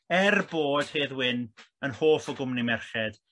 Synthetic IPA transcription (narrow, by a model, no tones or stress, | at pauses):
ɛrboːd̥heːðwɪn | ənhoːfɔɡʊmnimɛrχɛd̥